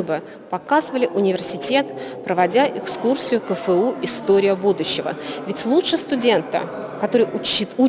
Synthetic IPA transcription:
bɨ | pɐkazɨvəlʲɪʔʊnʲɪvʲɪrsʲɪtʲe̞t̪pɾəvɐdʲaʔɪkskursʲɪjʊkəfɛuɪst̪o̞ɾʲɪjəbud̪ʊɕːɪvə̰vʲɪtʲlˠutʂɨst̪ʊdʲe̞nt̪ə̰kɐt̪o̞ɾɨju

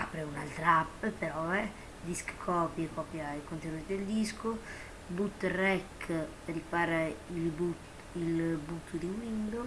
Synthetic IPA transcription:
apːɾeuna̰lt̪ɾaapːpeɾɔɛ | d̪iskkʰɔpjekɔpjaikont̪enuːɾid̪eld̪isko | but̪ːrɛkː | rikaɾailbu | ilbut̪ʰːud̪iwind̪o

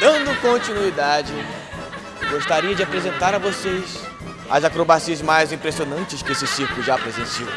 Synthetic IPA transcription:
d̪ɐ̃nd̪ʊkõnt͡ʃinuid̪ad͡ʒɪ | ɡoʃt̪aɾiɐd͡ʒɪapɾezẽnt̪aɾɐvosejs | ɐ̰zakɾobasiɐzmajzĩpɾesionɐ̃nt͡ʃɪskɪesɪsiɾklˠʊʒapɾezẽsiow

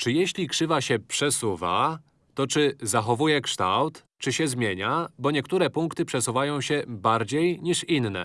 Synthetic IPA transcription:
t͡ʂɘjeɕlʲikʂɘvaɕɛpʂɛsuva̰ | t̪ɔt͡ʂɘzaxɔvujɛkʂt̪awt̪ | t͡ʂɘɕɛzmʲjeɲabɔɲɛkt̪uɾɛpuŋkt̪ɘpʂɛsuvajɔ̃w̃ɕɛbaɾd͡ʑejɲiʂinnɛ̰

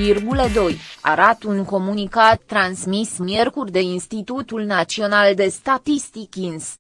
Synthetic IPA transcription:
irɡuləd̪o̞jaɾat̪uŋko̞munikat̪ːɾansmismje̞rkurʲd̪e̞inst̪it̪ut̪ulnat̪sio̞nald̪e̞st̪at̪ist̪ikʲins

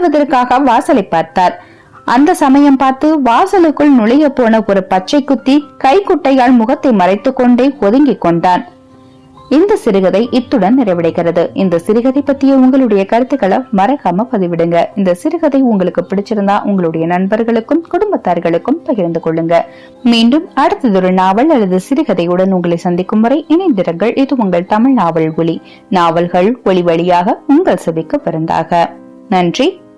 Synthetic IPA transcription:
ʋɐðɐrkːaːɣɐʋaːsɐlɐɪpːaːɾt̪aːɾ | ʔɐnd̪ɐsɐmɐjɐmpaːɾt̪ɯʋaːsɐlɯkːɯɭnʊɭɐjɐpːoːnɐɔɾɯpɐʈ̚t͡ʃːɐɪkːʊt̪ːikɐɪkːʊʈːɐɪjaːɭmʊɣɐt̪ːɐɪmɐrɐɪt̪ːɯkːɔɳɖeːɔðɯŋɡɪkːɔɳɖaːn | ɪnd̪ɐsɪɾɯɣɐðɐɪʔɪt̪ːɯɽɐnnɪrɐɪʋɪɽɐɪkːɪrɐðɯɪnd̪ɐsɪɾɯɣɐðɐɪpːɐʈːɪjɐʊŋɡɐɭɯɽɐjɐkɐɾɯt̪ːɯɣɐɭɐmɐɾɐɣaːmɐpɐðɯʋɪɽɯŋɡɐɪnd̪ɐsɪɾɯɣɐðɐɪʊŋɡɐɭɯkːɯpːɪɽɪt͡ʃːɪɾɯnd̪aːʔʊŋɡɐɭɯɽɐjɐnɐɳbɐɾɣɐɭɯkːɯmkʊɽʊmbɐt̪ːaːɾɣɐɭɯkːɯmpɐɣɪɾnd̪ɯkɔɭːɯŋɡɐ | miːɳɖɯmɐɽɯt̪ːɐðʊɾɯɭnaːʋɐɭɐlːɐðɯsɪɾɯɣɐðɐɪɯɽɐnʊŋɡɐɭɐɪsɐnd̪ɪkːɯmːɯɾɐɪʔɪnɐɪnd̪ɪɾɐŋɡɐɭʔɪðɯʊŋɡɐɭt̪ɐmɪɭnaːʋɐɭɡʊɭi | naːʋɐlɣɐɭɔɭɪʋɐɭɪjaːɣɐʊŋɡɐɭsɐðɪkːɐpːɐɾɯnd̪a̰ːɣɐ | nɐndri

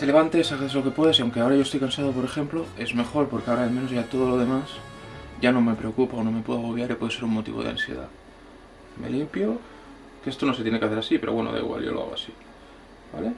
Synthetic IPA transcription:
t̪e̞le̞βant̪eesaβeθelo̞ke̞pwe̞ðasiawŋke̞ao̞ɾaʝo̞est̪ojkansað̞opo̞ɾe̞xe̞mploe̞zme̞xo̞ɾpo̞ɾkeaoɾaalmenoʝat̪o̞ð̞olo̞ðe̞masɟ͡ʝanõ̞me̞pɾe̞okupaonõ̞me̞pwe̞ðaɣo̞βjaɾipwe̞ð̞eseɾuŋmo̞t̪ḭβoðea̰nsjḛða̰ | me̞̰limpjo | keest̪o̞no̞set̪je̞ne̞keaθeɾasipe̞ɾoβwe̞no̰ða̰ḭɣwa̰lʎo̰loa̰ɣoa̰si | ba̰le

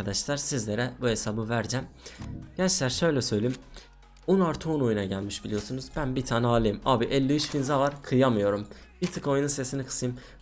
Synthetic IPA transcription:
ad̪aʃlˠaɾsizlʲe̞ɾɛbue̞sabɯvæɾd͡ʒæmɟ̥ɛæt͡ʃlʲæɾʃø̞jlʲɛsø̞jlʲeim | onaɾt̪ʰuuno̞junaɟælʲmiʃbilʲijo̞sunuzbænbit̪ʰaːnɛaːlˠejimaːbiʔɛlʲːiyt͡ʃfinzavaɾkʰɯjamɯjo̞ɾum | bit̪ʰɯko̞jununse̞sinikʰɯ̥sɯim

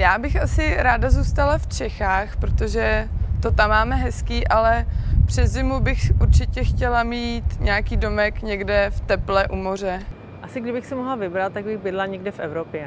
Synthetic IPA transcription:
jaːbɪxasɪɾaːdazuːst̪alaft͡ʃɛxaːxpɾot̪oʒɛt̪o̞t̪amːaːmɛɦɛskiːʔalɛpr̝̥ɛzzɪmubɪxʔuɾt͡ʃɪcɛxcɛlamiːt̪ɲɛakiːdomɛkɲɛɡdɛft̪ɛplɛʔumo̞r̝ɛ | ʔasɪɡdɪbɪxsɛmoɦlavɪbɾat̪̚t̪ːaɡ̚bɪxbɪdlaɲɛɡdɛfɛvɾopjɛ

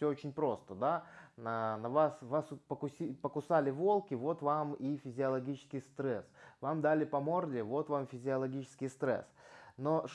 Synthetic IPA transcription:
sʲɵot͡ɕɪnʲpɾo̞st̪əd̪anənɐvasvaspəkʊsʲipəkʊsalʲɪvo̞lˠkʲɪvo̞t̪vamifʲɪzʲɪɐlˠɐɡʲit͡ɕɪ̥skʲɪjst̪ɾɛsvamd̪alʲɪpɐmo̞rdʲɪvo̞t̪vamfʲɪzʲɪɐlˠɐɡʲit͡ɕɪ̥skʲɪjst̪ɾɛ̰sno̞ʂ

